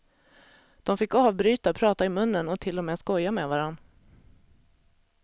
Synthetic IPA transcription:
d̪̥ɔmfɪkːɑːvbɾyːt̪apʰɾɑːt̪aɪmɵnːənɔt̪ʰɪlːɔmeːskɔjːameːvaɾanː

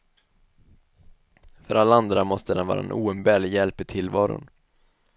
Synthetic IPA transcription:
fœɾalːaand̪ɾamɔst̪əd̪ɛnvɑ̰ːɾa̰ɛ̰nʔuːɛmbɛːɭjɛlpɪt̪ʰɪlːvɑːɾʊ̰n

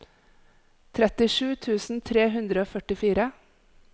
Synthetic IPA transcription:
t̪ʰɾɛt̪ɪʃʉːt̪ʰʉːsn̩t̪ʰɾeːɦʉnd̪ɾəoːfœʈɪfiːɾə

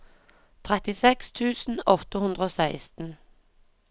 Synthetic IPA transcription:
t̪ʰʁɛt̪ɪsɛkst̪ʰʉːsn̩ɔt̪əhʉnd̪ʁəoːsæɪst̪n̩

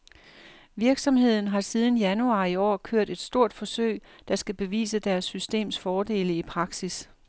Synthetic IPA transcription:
ʋiɐɡ̥sɒ̽mhe̝ð̞̰ˠn̩ɦɑ̈sið̞ˠn̩jænuɑ̈ːiɒ̰ːkʰøɐ̰d̥e̝d̥sd̥o̝ɐ̰d̥fɒ̽sø̰ɪ̰ | d̥ɑ̈sɡ̥æb̥e̝ʋḭːsəd̥æɐsːysd̥e̝̰ːmsfɒːd̥e̝̰ːləipʰʁɑ̈ɡ̥sis

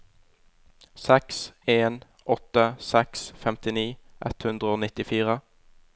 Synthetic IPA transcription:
sɛkseːn | ʔɔt̪əsɛksfɛmt̪ɪniːʔɛ̰t̪hʉnd̪ʁəoːnɪt̪ɪfiːʁə

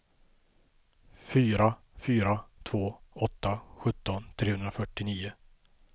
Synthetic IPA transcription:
fyːɾa | fyːɾat̪ʰv̥oːɔt̪ːaɧɵt̪ːɔnt̪ʰɾeːhɵnd̪ɾafœʈːɪniːʊ

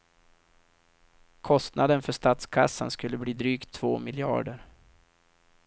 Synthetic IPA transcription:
kʰɔst̪nad̪ənfœʂt̪aːt̪skʰasːa̰nskɵlːəbliːd̪ɾyːkt̪ʰːv̥oːmɪljɑ̰ːɖəɾ

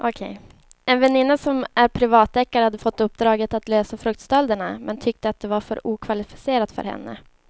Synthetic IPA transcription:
ʔɔkʰɛ̰j | ɛnvɛnɪnːasɔmæɾpʰɾɪvɑːt̪ɛkːaɾəhad̪ːəfɔt̪ːɵpːd̪ɾɑːɡət̪at̪løːsafɾɵk̚t̪st̪ɛld̪əɳamʔɛnt̪ʰʏk̚t̪əat̪̚d̪ɛvaɾfœ̰ɾuːkʰvalɪfɪ̥seːɾat̪fœ̰ɾhɛ̰nːə̰

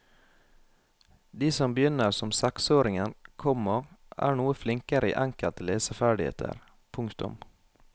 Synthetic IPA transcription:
d̪iːsɔmbəjʏnəɾsɔmsɛksoːɾɪŋənkʰɔmɔʔæ̰ːɳuːəflɪŋkəɾəḭːʔæŋkəlt̪əleːsəfæːɖɪhḛːt̪ʰə̰ɾ | pʰʊŋkt̪ʊ̰m

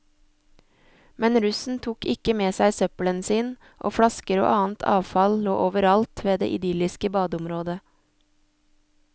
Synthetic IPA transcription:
mɛnɾʉsn̩t̪ʰuːkɪkəmeːsæɪsœplənsiːn | ʔo̰ːfɽɑskəɾo̰ːʔɑːn̩t̪ʰɑ̰ːʋfɑllo̰ːʔoːʋəɾɑlt̪ʰʋeːd̪ḛːʔɪd̪ʏlɪskəbɑːd̪ʊmɾoːd̪ə

